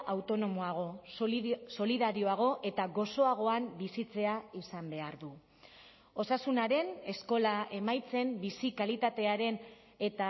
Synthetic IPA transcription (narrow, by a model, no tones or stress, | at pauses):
awt̪o̞no̞moaɣ̞o̞ | so̞liðaɾio̞aɣ̞o̞ʔe̞t̪aɣo̞so̞aɣ̞o̞ambisit͡se̞aisambe̞aɾðu | o̞sasunaɾe̞ne̞sko̞lae̞majt͡se̞mbisikalit̪at̪e̞aɾe̞n | e̞t̪a